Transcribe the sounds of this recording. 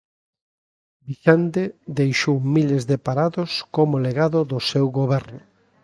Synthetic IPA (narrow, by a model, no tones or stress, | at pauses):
biʃant̪ed̪ejʃowmilezðepaɾaðʊskomʊleɣaðʊðʊsewɣoβɛɾnʊ